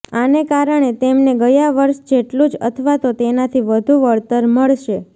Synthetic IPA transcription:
anekaɾəɳ̃et̪emneɡəjaʋəɾʃd͡ʒeʈlũd͡ʒə̰t̪ʰəʋat̪ot̪enat̪ʰiʋəd̪ʱuʋəɭt̪əɾməɭʃe

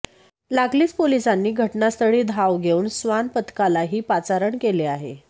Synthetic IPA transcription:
laɡliːt͡spolisanːiːɡʱəʈnast̪əɽiːd̪ʱaʋɡʱeuːnsʋanpət̪kalaɦiːpat͡saɾəɳkeleaɦḛ

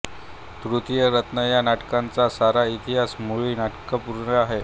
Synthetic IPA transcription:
t̪ɾut̪jəɾət̪nəjanaʈkant͡sasaɾait̪iɦasmuɭiːnaʈkəpuɾɳəaɦe

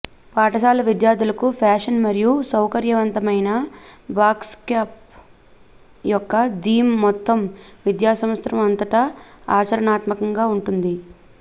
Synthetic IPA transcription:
paːʈɐsaːlɐʋid̪jaːɾd̪ulɐkupʰaːʂɐnmɐɾijusɐwkɐɾjɐʋɐnt̪ɐmɐjnɐbaːkskaːp̚ | jɔkːɐd̪iːmːɔt̪ːɐmʋid̪jaːsɐmɐst̪ɾɐmɐnt̪ɐʈɐaːt͡ʃɐɾɐnaːt̪mɐkɐŋɡaːuɳʈund̪i

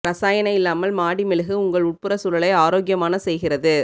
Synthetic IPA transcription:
ɾɐsaːjɐnɐɪlːaːmɐlmaːɽimɪlɐɣɯʊŋɡɐɭʊʈ̚pɯɾɐsʊɾɐɭɐɪaːɾoːɡɪjɐmaːnɐsɛjɣɪrɐðɯ

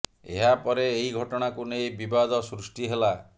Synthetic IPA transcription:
ḛɦapɔɾeːiɡʱɔʈɔɽ̃akunejbibad̪ɔsɾusʈiɦela

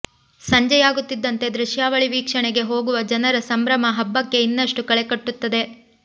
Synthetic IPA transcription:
sɐɲd͡ʒɐjaːɡut̪ːid̪ːɐnt̪e̞d̪ɾuʃjaːʋɐɭiʋiːkʂɐɳɛɡe̞ɦo̞ːɡuʋɐd͡ʒɐnɐɾɐsɐmbɾɐmɐɦɐbːɐkːe̞inːɐʂʈukɐɭekɐʈːut̪ːɐd̪e̞

